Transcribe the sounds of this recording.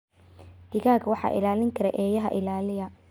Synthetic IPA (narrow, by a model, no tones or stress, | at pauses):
d̪̥ɪɣaːkʰwɑħɑ̰ːʔɪ̰laːlɪŋkʰɐɾɛʔɛːjɐɦɐ̰ʔɪlaːlɪjɐ